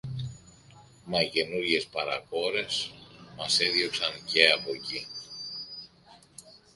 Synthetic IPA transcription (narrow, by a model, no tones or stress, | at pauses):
mɐice̞nuɾʝe̞spɐɾɐ̰ko̞ɾe̞smɐseðʝo̞ksɐnce̞ɐpo̞ci